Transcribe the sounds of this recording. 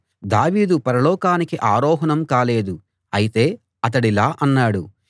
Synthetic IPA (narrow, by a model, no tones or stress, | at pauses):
d̪aːʋiːd̪upɐɾɐlɔːkaːnikiʔaːɾɔːɦɐnɐmkaːle̞ːd̪u | ɐjit̪e̞ː | ɐt̪̬ɐɽilaːʔɐnːaːɽu